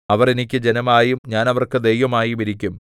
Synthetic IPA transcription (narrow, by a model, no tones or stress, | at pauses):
ɐʋɐrenikʲːɨd͡ʑe̞nɐmaːjumɲaːnɐʋɐrkɨd̪ejʋɐmaːjumiɾikʲːum